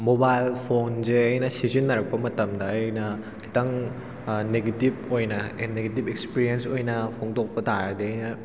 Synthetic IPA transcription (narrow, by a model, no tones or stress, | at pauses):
mobajlpʰonzeɐjnɐsizinːɐɾɐk̚pɐmɐtɐmdɐːjnɐ | kʰi̥tɐŋ | neɡetib̚ojnɐneɡet̬ibekspiɾiensojnɐpʰoŋdok̚pɐtaɾɐdeɐjnɐ